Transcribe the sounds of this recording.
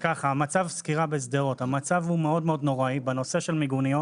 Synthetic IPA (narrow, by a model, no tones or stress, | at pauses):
kaχaːmat͡savskiʁabezd̪eʁo̞t̪hamat͡savhumeo̞dmeo̞d̪no̞ʁaibeno̞se̞ʃe̞lmiɡunijo